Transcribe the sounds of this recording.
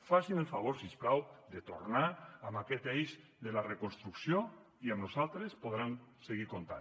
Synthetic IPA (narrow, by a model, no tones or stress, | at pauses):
fasinelˠfaβ̞oɾsinspɾawd̪et̪o̰ɾnaamakɛt̪ejʃ | ðelarekonst̪ɾuksjo | iamnosalˠt̪ɾespoð̞ɾanseɣikont̪a̰